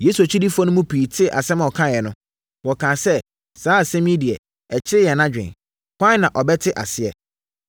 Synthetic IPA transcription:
je˨˦su˨a˨t͡ɕʰi˦di˦fɔ˦nʊ̃˦mũ˦pʰiː˨tʰɪ˦ʔa̰˨sɛ˦mã˨ɔ˨kʰã˦jɛ˨nʊ̃˦ | wɔ˨kʰãː˨sɛ˦ | saː˨˦˨sɛ̃˦mĩ˦di˨ɛ˨ | ɛ˨t͡ɕʰɪ˦ɾɪ˦jɛ˨nã˦d͡ʑᶣɪ̰̃˨n | kʰʷã˦nã˨ʔɔ˨bɛ˦tʰɪ˦ʔa˨sɪ˦ɛ̰˨

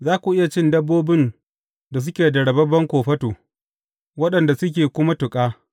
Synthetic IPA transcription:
zaː˦kʷu˨ʔɪ˦ja˨t͡ʃɪ˦ndɐ˦bːoː˦bɪ˦n | da˨s̬ʊ˦kʲeː˨dɐ˨ɽɐ˨bɐ˦bɐ˦ŋkʷoː˨ɸɐ˦toː˨ | wɐ˦ɗɐ˨nda˨sʊ˦k̬ʲeː˨kʷʊ˦ma˦tʊ˨kʼaː˦

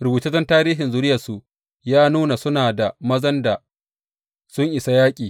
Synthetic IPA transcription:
ɾʊ˨buː˨tɐ˦zɐ˦ntaː˦ɾiː˦ɦɪ˨nzʊ˨ɾɪ˦jɐ˨su˨ʔ | jaː˦nuː˦na˨sʊ˦naː˨da˨mɐ˦zɐ˦nda˨ | sʊ˦ŋʔɪ˨sa˦jaː˦kʲʼiː˨

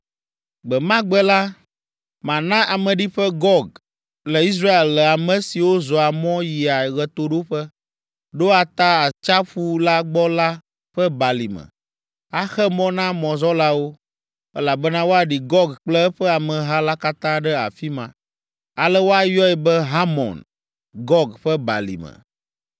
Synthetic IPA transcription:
ɡ͡bɛ˨mã˦ɡ͡bɛ˦la˦ | mã˨nã˦ʔa˨mə̃˨ɖi˦ɸɛ˦ɡɔ˦ɡ̚ | lə˨i˦s̬ɾa˦e˨lːɛ˨a˨mə̃˨si˨wo˦zɔ˨a˨mɔ̃˦ji˨a˨ɣɛ˨t̪o˨ɖo˦ɸɛ˦ | ɖo˦a˨t̪a˦a˨t͡ʃa˦ɸu˦la˦ɡ͡bɔ˦la˦ | ɸɛ˦ba˨lḭ˨mə̰˨ | a˨xɛ˦mɔ̃˦nã˦mɔ̃˨zɔ˦la˦wo˦ | ɛ˦la˨bə˦nã˦wo˦a˨ɖi˨ɡɔ˦ɡk͡plɛ˦ɸɛ˦a˨mɛ̃˨ɦa˦la˦ka˦t̪ã˦ɖɛ˦a̰˨fi˦mã̰˨ | a˨lɛ˦wo˦a˨jɔ˦ɛ˨bɛ˦ɦa˦mɔ̰̃˨n | ɡɔ˦ɡɸɛ˦ba̰˨lḭ˨mə̰˨

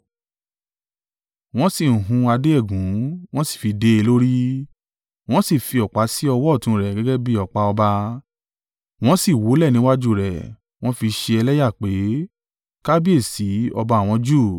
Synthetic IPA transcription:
w̃ɔ̃˦si˦˨ũ˨ɦũ˨˧˦a˧de˦ɛ˦˨ɡũ˨˦w̃ɔ̃˦si̥˦˨fi˧de˦e˧lo˦ɾi˦ | w̃ɔ̃˦si˦˨fi˧ɔ˨k͡pa˨˦si˦ɔ˧wɔ˦˨tũ˨˧˦ɾɛ˨ɡɛ˨˦ɡɛ˦bi˦ɔ˨k͡pa˨˧ɔ˧ba˧ | w̃ɔ̃˦si˦˨wo˨˦lɛ˦˨nĩ˨˦wa˦d͡ʒu˦˨ɾɛ˨ | w̃ɔ̃˦fi˧ʃe˧ɛ˧lɛ˦ja˦˨k͡pe˨˦ | ka˦bi˦e˦˨si˨˦ɔ˧ba˧a˨w̃ɔ̃˨˧˦d͡ʒu˦˨

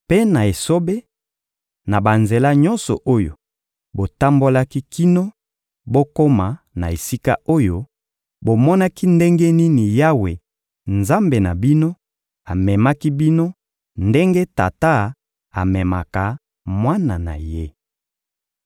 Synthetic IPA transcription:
pe˦na˨e˨so˦be˦ | na˨ba˨nze˨la˦ɲɔ˦nsɔ̰˨ʔo˦jo̰˨ | bo˨ta˦mbo˦la˦ki˦ki˦no˦ | bo˦ko˦ma˨ | na̰˨e˨si˦ka̰˦o˦jo˦ | bo˨mɔ˦na˦ki˦nde˦ŋɡe˦ni˦ni˨ja˦we˨ | nza˦mbe˨na˨bi˦no˦ | a˨mɛ˨ma˦ki˦bi˦no˦ | nde˦ŋɡe˦ta̰˨ta˦ | a˨mɛ˨ma̰˨ka˨ | mwa˦na˨na̰˨je˦

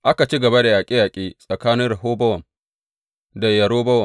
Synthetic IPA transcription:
ʔa˦ka˨t͡ʃi˦ɡɐ˨ba˦da˨jaː˨kʲʼɪ˦jaː˨kʲʼiː˦sʼɐ˨kaː˦nɪ˦nra˨ɦoː˦bɐ˦wɐ˨m | da˨jɐ˨ɾoː˦bɐ˦wɐ˨

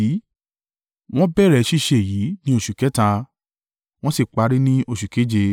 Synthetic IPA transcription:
w̃ɔ̃˦bɛ˦˨ɾɛ˨˧ʃi˦˨ʃe˦˨jiː˨˦nĩ˦o˦˨ʃu˨kɛ˨˦tã˧ | w̃ɔ̃˦si˦˨k͡pa˨˧˦ɾi˦nĩ˦ʔo˧ʃu˨ke˨˦d͡ʒe˧

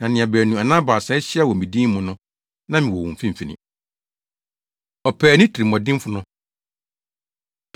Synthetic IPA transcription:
nã˨nɪ̃˨a˨bæː˨nũ˨a˨nã˦ba˨sɛ˦ɕi˦a˦wɔ˨mĩ˨dĩː˦mmʊ̃˨nʊ̃˦ | nã˦mɪ̃˨wɔ˨wɔ̃˨m̩˨fĩ˦m˨fi˨nɪ̰̃˨ | ɔ˨pʰɛː˨nɪ̃˦tʰi˨ɾi˨m˨ɔ̃˨dɪ̃˦m˦fʊ˨nʊ̃˦

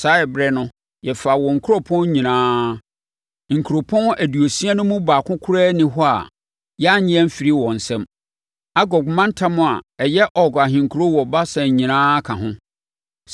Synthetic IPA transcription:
sa˦ɛ˨bɾɛ˦nʊ̃˦ | jɛ˨fa˨wɔ̃˨ŋ̩˨kʰʊ˦ɾɔ˦pʰɔ̃˦n˦ɲĩ˨nãː˦ | ŋ̩˨kʰu˨ɾo˨pʰɔ̃˦næ˨du˨o˨si˦a˦nʊ̃˦mũ˦baː˨kʰʊ̃˦kʰʊ˦ɾɛː˦nɪ̃˦ɦɔ˦a̰˨ | jɛ˦a˦ɲɪ̃˦ɛ̃˦m̩˦fi˨ɾi˦wɔ̃˨n̩˨sɛ̃˦m | a˦ɡɔ˨ɡmã˦n˦tʰã˦mʊ̃˨a̰˨ɛ˨jɛ˦ʔɔ˨ɡa˨ɦɪ̃˨ŋ̩˨kʰu˨ɾo˦wɔ˨ba˦sɛ̃˨ɲĩ˨nãː˦kʰã˨ɦʊ̃˦

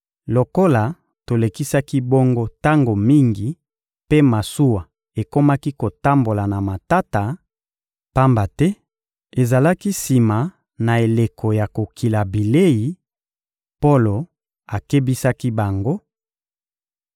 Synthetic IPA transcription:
lo˨ko˦la˨ | to˨le˨ki˦sa˦ki˦bo˦ŋɡo˦ta˦ŋɡo˨mi˦ŋɡi˨ | pe˦ma˨su˦wa˨ | e˨ko˦ma˦ki˦ko˨ta˦mbo˨la˨na˨ma˨ta˦ta˨ | pa˦mba˨tɛ˦ | e˨za˨la˦ki˦si˨ma˨ | na˨e˨le˨kʰo˨ja˨ko˨kʰi˨la˨bi˨le˦ji˨ | po˦lo˨ | a˨ke˦bi˦sa˦ki˦ba˨ŋɡo˦

